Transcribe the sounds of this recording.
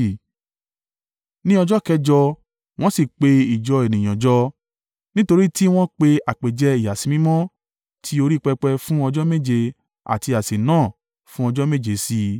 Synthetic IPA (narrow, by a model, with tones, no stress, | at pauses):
nĩ˦ɔ˧d͡ʒɔ˦kɛ˧d͡ʒɔ˧ | w̃ɔ̃˦si˦˨k͡pe˧i˨d͡ʒɔ˧e˨nĩ˨j̃ã˨d͡ʒɔ˦ | nĩ˦to˧ɾi˦ti˦w̃ɔ̃˦k͡pe˧a˨k͡pe˨d͡ʒɛ˨˧i˨ja˨sĩ˧˦mĩ˦mɔ̃˦ | tʰi˧˦o˧ɾi˦k͡pɛ˧k͡pɛ˧fũ˦ɔ˧d͡ʒɔ˦me˦˨d͡ʒe˧ | a̰˨ti˧a˨se˨nãː˦˨ | fũ˦ɔ˧d͡ʒɔ˦me˦˨d͡ʒe˨˦si˧